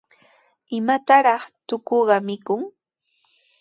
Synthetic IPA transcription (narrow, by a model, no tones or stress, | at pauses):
ɪmat̪aɾɑχt̪ʊkoɢɑmɪkʊŋ